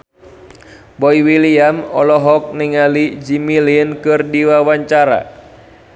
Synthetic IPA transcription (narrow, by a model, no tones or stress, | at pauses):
bɔiwiliamɔlɔɦɔk̚niŋalid͡ʒimilinkɨrdiwawaɲt͡ʃaɾa̰